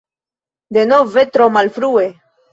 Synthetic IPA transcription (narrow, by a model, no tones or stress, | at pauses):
d̪enovet̪ɾomalfɾue